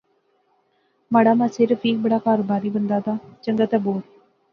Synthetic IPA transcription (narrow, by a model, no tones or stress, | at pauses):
maːɽaːmaːseːɾəfʰiːk̚bəɽaːkaːɾbaːɾiːbənd̪aːt̪aːt͡ʃəŋɡət̪ɛːboːɾ